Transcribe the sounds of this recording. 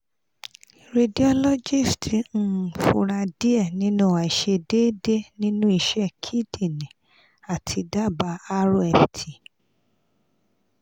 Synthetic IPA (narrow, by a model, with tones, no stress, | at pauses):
ɾe˧di˨˦ɔ˦lɔ˦d͡ʒi˦˨stĩ˨˦˨fu˧˨ɾa˧di˦ɛ˦˨nĩ˦nũ˦˨a˨i˨ʃe˧de˦de˦nĩ˦nũ˦i˧˨ʃɛ˦kʰi˦di˦˨nĩ˨ | a˨tʰi˧da˦˨ba˧a˦ɾo˦ɛ˨ftʰi˨